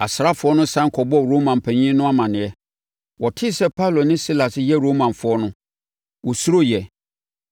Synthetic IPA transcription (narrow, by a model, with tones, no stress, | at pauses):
a˨sɪ˨ɾa˦fʊ˨ɔ˦nʊ̃˦sã˦ŋ˦kʰɔ˨bɔ˦ɾo˦mã˨m˨pʰæ̃˨ɲĩ˦nʊ̃˦a˦mã˨nɪ̃˨ɛ˦ | wɔ˨tʰɪ˦sɛ˦pʰa˦wlo˨nɪ̃˦si˦la˨sɪ˦jɛ˦ɾoː˦mã˨nfʊ˨˦ɔ˦nʊ̃˦ | wɔ˨su˦ɾo˦jɛ˨